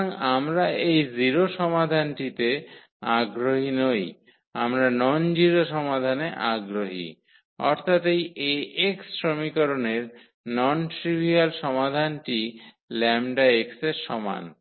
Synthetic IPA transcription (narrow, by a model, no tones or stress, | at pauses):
ŋamɾaejziɾoʃɔmad̪ʱanʈit̪e | aɡɾoɦinoj | a̰mɾanɔnd͡ʑiɾoʃɔmad̪ʱaneʔaɡɾoɦḭ | ɔɾt̪ʰat̪ejeeksːɾomikɔɾoneɾ | nɔnʈɾibʱialʃɔmad̪ʱanʈi | lɛmɖaekseɾʃɔma̰n